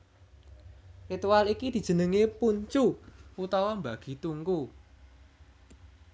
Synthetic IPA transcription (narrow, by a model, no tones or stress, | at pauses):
rit̪uwalikid̪̥i̤d̥ʒ̥ə̤nəŋepuɲt͡ʃuput̪ɔwɔmbaɡ̥i̤t̪uŋku